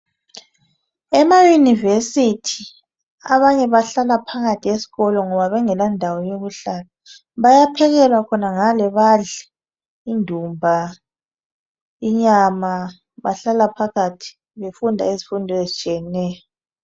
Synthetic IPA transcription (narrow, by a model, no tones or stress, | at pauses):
ɛmajunivesitʰi | aβaɲɛβaɬalapʰaɣatʰiesi̥ɣɔlɔŋɔβaβɛŋɛlandʱawɔjoɣuɬala | βajapʰɛɣɛlwakʰɔnaŋalɛβaɮɛ | indʱumbʱa | iɲama | βaɬalapʰaɣatʰi̥ | βefundʱa̰esi̥fundʱɔezit͡ʃʼijɛnɛːjɔ